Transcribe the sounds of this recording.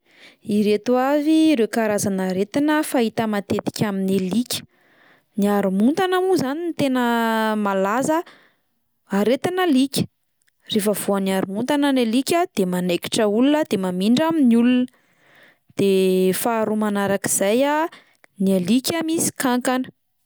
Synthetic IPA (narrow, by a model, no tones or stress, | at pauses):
iɾet̪uaviɾekaɾazanaɾet̪inəfait̪əmat̪et̪i̥kʲaminelikʲə̥ | niaɾumunt̪anamuzanint̪enəmalazə | aɾet̪inəlikʲə̥ | refəvuaniaɾumunt̪anənelikʲəd̪̥emaneki̥ʈ͡ʂəulunəd̪̥emamiɳɖ͡ʐaminulunə | d̪̥efaːɾumanaɾakiz̥aja | nielikʲamisi̥kaŋkanə̥